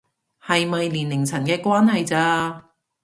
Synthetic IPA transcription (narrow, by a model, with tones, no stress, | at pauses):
hɐ˨jmɐ˨jliː˨˩nːɪ˨˩ŋt͡sʰɐ˨˩nkɛː˧kwaː˥nhɐ˨jt͡saː˧